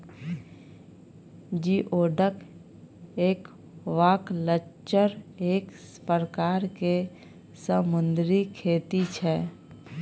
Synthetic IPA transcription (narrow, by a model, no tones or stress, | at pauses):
d͡ʒiːʔoːɖək | eːk | ʋaːkləʃəɾeːkspəɾkaːɾke | səmʊ̃nd̪ɾikʰeːt̪it͡ʃʰɛ